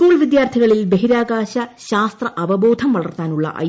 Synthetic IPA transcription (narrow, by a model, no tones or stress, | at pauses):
kuːlʋid̪jaːrt̪ʰiɣɐɭilbeɦiɾaːɡaːɕɐɕaːst̪rɐʔɐʋɐboːd̪ʱɐmʋɐɭɐrt̪aːnuɭːɐ̰ʔɐ̰j